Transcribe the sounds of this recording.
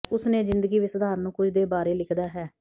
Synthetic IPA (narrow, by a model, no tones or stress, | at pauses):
ʊsnẽːzɪ̃nd̪əɡiːʋɪsd̪aːɾnũːkʊd͡ʒd̪eːbaːɾeːlɪkʰd̪aːɦɛː